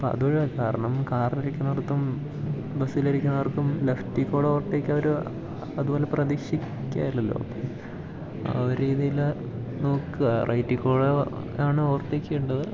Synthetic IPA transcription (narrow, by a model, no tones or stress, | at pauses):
po̰ɐ̰ðuoɻekaːɾɐɳɐmkaːrnɐɾikʲːunːɐʋɐrkːum | bɐsilɐɾikʲːunːɐʋɐrkumleftːikːoːɽoːrt̪ːeːkʲːɐʋɐɾu | ɐðubo̞ːle̞prɐðikʂikʲːa̰ːjilːɐlːo̰ːpo̰ | ɐ̰ɾɾiːðijil | no̞ːkːɨɐrʔɐjtːikːoːɽ | aːɳɨoːrt̪ːeːkʲːijuɳɖɐðɨ